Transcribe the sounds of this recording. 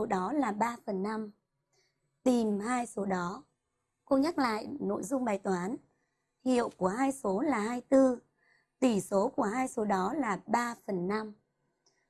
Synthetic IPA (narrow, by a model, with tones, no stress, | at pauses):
o˨˦ɗɔ˨˦laː˨˩ɓaː˧fə˨˩nːa˧m | t̪i˨˩mhaː˧jso˨˦ɗɔ˨˦ | ko˧ɲa˦˥k̚la̰ː˧˨jno̰˧˨jzʊ˧ŋ͡mɓaː˨˩jt̪waː˨˦n | hḭ˧˨əwku˧˩əhaː˧jso˨˦laː˨˩haː˧jt̪ɨ˧ | t̪i˧˩so˨˦ku˧˩əɦaː˧jso˨˦ɗɔ˨˦laː˨˩ɓaː˧fə˨˩nːa˧m